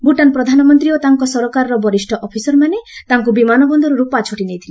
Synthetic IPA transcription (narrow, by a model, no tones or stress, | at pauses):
buʈanpɾɔd̪ʱanɔmɔnt̪ɾiot̪aŋkɔsɔɾɔkaɾɔɾɔbɔɾisʈʰɔʔɔpʰisɔɾmanet̪aŋkubimanɔbɔnd̪ɔɾuɾupat͡ʃʰoʈinejt̪ʰili